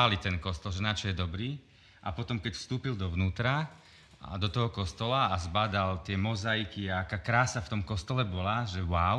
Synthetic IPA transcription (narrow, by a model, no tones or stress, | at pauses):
alit̪ɛnkɔst̪ɔlʒɛnat͡ʃɔjɛd̪ɔbɾiː | ʔa̰pɔt̪ɔmkɛcfst̪uːpild̪ɔʋnuːt̪ɾa̰ | d̪ɔt̪ɔɦɔkɔst̪ɔlaːzbad̪alt̪ɪɛmɔzajkiaakaːkɾaːsaft̪ɔmkɔst̪ɔlɛbɔlaʒɛwaʊ